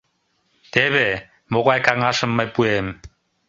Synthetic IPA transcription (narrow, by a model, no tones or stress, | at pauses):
t̪eβe | moʁɑjkɑŋɑʃɤ̆mːɑjpuem